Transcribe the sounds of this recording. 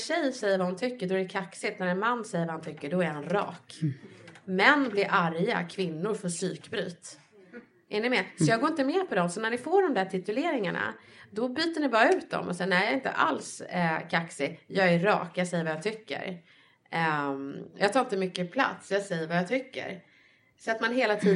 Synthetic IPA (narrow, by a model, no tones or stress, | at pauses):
ɕɛjːsɛjːəɾvaʊnt̪ʰʏkːəɖɔæɖɛkʰaksɪt̪næɾɛnmanːsɛjːəɾvahʊnt̪ʰʏkːəɖɔæɾhanɾɑ̰ːk | mɛnːblɪɾʔaɾja̰kʰvɪnːʊɾfœʂyːkbɾy̰ːt̪ | ʔɪnːɪmeːsɔjɑːɡoːɾɪnt̪əmɛːpʰɔd̪ɔmsɔnæɳɪfoːɖɔmd̪æʈʰɪt̪ɵleːɾɪŋaɳa̰d̪ɔbyːt̪əɳɪbɑːɾaʉ̟ːt̪̚d̪ɔ̰mʔɔsɛjənæjɑːɪnt̪ə̰ʔa̰lskʰaksɪjɑːɡæɾɑ̰ːkjɑːsɛjːəɾvajɑːt̪ʰʏkːə̰ɾ | jɑːɡt̪ʰɑːɾɪnt̪əmʏkːəpʰla̰t̪sjɑːɡsɛjːəɾvajɑːt̪ʰʏkːə̰ɾ | sɔat̪manɦeːlat̪ʰiːd̪